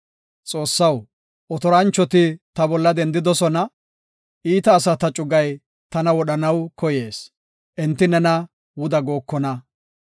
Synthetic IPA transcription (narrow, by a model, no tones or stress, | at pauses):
t͡sʼo̞ːsːɐw | ɔt̪ɔɾɐnt͡ʃːɔt̪ɪt̪ɐbɔlːɐd̪ɛnd̪ɪd̪ɔsɔnɐ | ʔiːt̪ɐːsɐt̪ɐt͡ʃʼʊɡɐj | t̪ɐnɐwɔɗɐnɐwkɔje̞ːs | ʔɛnt̪ːɪnɛnɐ | wʊd̪ɐɡo̞ːkːɔnɐ